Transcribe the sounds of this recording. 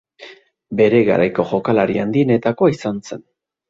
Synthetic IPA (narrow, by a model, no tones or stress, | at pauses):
be̞ɾe̞ɣa̰ɾajko̞ʝo̞kalaɾiand̪iene̞t̪ako̞isanse̞n